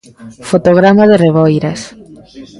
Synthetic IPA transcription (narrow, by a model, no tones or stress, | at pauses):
fot̪oɣɾamaðereβojɾas